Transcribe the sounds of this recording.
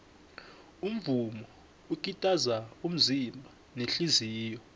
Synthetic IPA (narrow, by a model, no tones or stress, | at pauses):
um̩vumɔ | uk̬ʼitʼazaum̩zimbʱa | neɬiziːjɔ